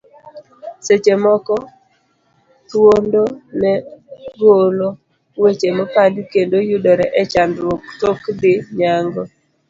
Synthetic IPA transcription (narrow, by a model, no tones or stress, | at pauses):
set͡ʃemɔkɔ | t̪wondonɛɾwolo | wet͡ʃemɔpadkendojudɔɾɛʔɛt͡ʃandɾwoktokdɪɲaŋɡɔ